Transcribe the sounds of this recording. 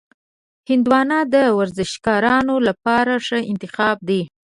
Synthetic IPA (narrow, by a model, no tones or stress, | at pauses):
hɪnd̪wɑnɑd̪əwaɾzɪʃkɑɾɑnolapɑɾaʂəɪnt̪ɪxɑb̚d̪e